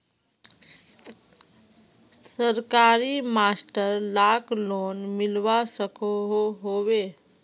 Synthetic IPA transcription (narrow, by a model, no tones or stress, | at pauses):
səɾkaɾimasʈəɾlakʰloːnmɪlʋasəkoɦoɦoʋe